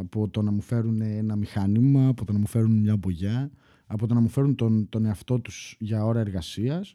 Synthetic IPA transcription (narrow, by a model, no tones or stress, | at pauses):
ɐpo̞t̪o̞nɐmufe̞ɾuneenɐmixɐnimɐːpo̞t̪onɐmufe̞ɾunmɲɐboʝɐ | ɐpot̪o̞nɐmufe̞ɾunt̪ont̪o̞ne̞ɐft̪o̞t̪uz̥ʝɐo̞ɾɐe̞ɾɣɐsiɐs